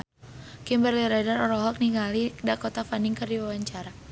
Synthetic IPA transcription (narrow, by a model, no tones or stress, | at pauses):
kimbərliɾadarɔɾɔɦɔk̚niŋɡalidakot̪afaniŋkɨrdiwawaɲt͡ʃaɾa